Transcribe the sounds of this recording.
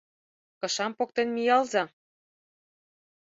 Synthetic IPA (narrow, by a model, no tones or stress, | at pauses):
kɤ̆ʃɑmpok̚t̪enmijɑlzɑ